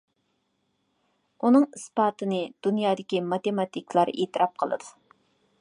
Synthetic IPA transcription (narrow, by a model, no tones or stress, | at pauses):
unɨŋispɑːt̪ɨnɨd̪̥unjɑːd̪ɪkʲimɑt̪emɑt̪ʰikʲlˠɑɾeːt̪ɨɾɑp̚qʰəlˠɨ̰d̪u